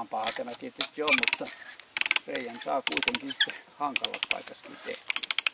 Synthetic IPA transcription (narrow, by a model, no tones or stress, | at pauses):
mpɑɑˑikɑnɑt̪iet̪ːyst̪jomut̪ːɑ | reˑijænsɑ̰ːkuit̪eŋkinsi̥t̪ːehɑŋkɑlːɑ̰spɑ̰ˑikɑskḭːt̪ḛht̪iːæ